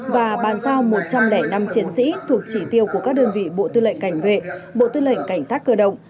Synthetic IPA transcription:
vaː˨˩ɓaː˨˩nsaː˧wmo˨˩t̚t͡ɕa˧mlɛ˧˩na˧mt͡ɕi˨˦ənsḭ˧˥t̪ʰu˨˩ək̚t͡ɕi˧˩t̪i˧əwku˧˩əkaː˦˥k̚ɗəː˧nvḭ˧˨ɓo̰˧˨t̪ɨ˧lə̰˧˨jŋ̟ka˧˩jŋ̟vḛ˧˨ɓo̰˧˨t̪ɨ˧lə̰˧˨jŋ̟ka˧˩jŋ̟saː˦˥t̚kəː˧ɗə̰˧˨wŋ͡m

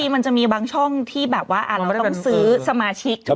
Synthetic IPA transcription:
iː˧ma˧nt͡ɕa˨˩miː˧baː˧ŋt͡ɕʰɔ˥˩ŋt̪ʰiː˥˩bɛː˨˩p̚waː˥˩ʔaː˨˩t̪̚a˧˥˩sɯː˦˥sa˧maː˧t͡ɕʰi˦˥k̚

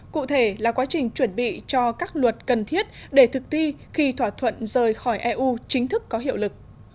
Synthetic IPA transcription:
kṵ˧˨t̪ʰe˧˩laː˨˩kwaː˨˦t͡ɕï˨˩ŋ̟t͡ɕwə˧˩nɓḭ˧˨t͡ɕɔ˧kaː˦˥k̚lwə˨˩t̚kə˨˩nt̪ʰi˦˥ət̚ɗe˧˩t̪ʰɨ˨˩k̚t̪i˧ | xi˧t̪ʰwaː˧˩t̪ʰwə̰˧˨nzəː˨˩jxɔ˧˩jʔɛ˧ʔu˧t͡ɕï˨˦ŋ̟t̪ʰɨ˦˥kːɔ˨˦ɦḭ˧˨əwlɨ˨˩k̚

